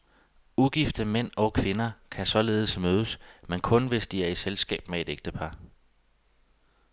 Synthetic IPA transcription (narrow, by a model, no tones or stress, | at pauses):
uɡ̥ifd̥əmen̰ɒ̽kʰʋe̝nɐkʰæsɒ̽le̝ːð̞̩ˠəsmøːð̞ˠəsmenkʰɔ̽nʋe̝sd̥iæɐiselsɡ̥ɛ̰ːb̥mee̝d̥eɡ̥̚d̥əpʰɑ̈